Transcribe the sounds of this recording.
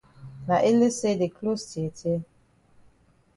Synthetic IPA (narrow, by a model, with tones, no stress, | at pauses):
na˨ʔɪ˦le˦se˦de˨kʰlo˦sti˨ɛ˨tʰe˦